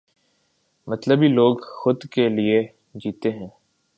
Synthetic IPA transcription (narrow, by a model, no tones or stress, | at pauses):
mɐt̪ləbɦiloːɡxʊd̪kelie | d͡ʒiːt̪eɦɛ̃ː